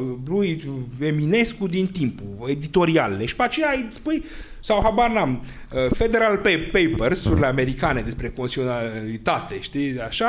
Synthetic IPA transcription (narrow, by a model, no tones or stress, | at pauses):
luje̞mine̞skud̪int̪impue̞d̪it̪o̞ɾialleʃi̥peat͡ʃejaispuj | sawhabaɾnam | əfe̞d̪e̞ɾalpepejpersuɾleame̞ɾikane̞d̪espɾe̞konsionalit̪at̪e̞ʃt̪iaʃa